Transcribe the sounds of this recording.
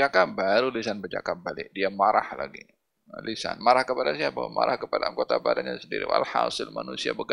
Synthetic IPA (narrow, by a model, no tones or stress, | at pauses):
akabaɾulisanbərd͡ʒa̰kabalɪʔdiamaɾahlaɡi | lisa̰nmaɾahkəpadasiabawamaɾahkəpadaŋɡot̪apadaɲasəndiɾḭwa̰lhasɪlmanusia̰bəɡ